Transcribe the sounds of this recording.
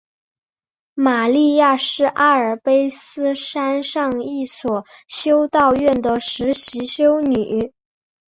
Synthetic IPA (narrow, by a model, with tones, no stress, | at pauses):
ma˨˩li˥˧ja˥˧ʂɻ̩˥˩ʔa˥ə˞˨˩pe˥ɪsɹ̩˥ʂa˥nʂɑ˥˧ŋi˥˩swɔ˨˩ɕjo˥ʊt̪ɑ˥˧ʊɥɛ˥˩nd̪ə˩ʂɻ̩˧˥ɕi˧˥ɕjo˥ʊny˨˩